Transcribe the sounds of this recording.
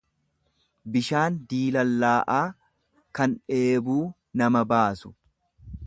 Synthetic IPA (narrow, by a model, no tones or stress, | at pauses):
bɪʃaːnd̪iːlɐlːaːʔaː | kɐnᶑe̞ːbuː | nɐmɐbaːsʊ̥